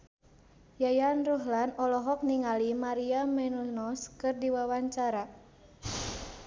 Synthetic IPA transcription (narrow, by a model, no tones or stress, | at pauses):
jajanruɦlanɔlɔɦɔk̚niŋalimaɾiamɛnunɔskɨrdiwawaɲt͡ʃaɾa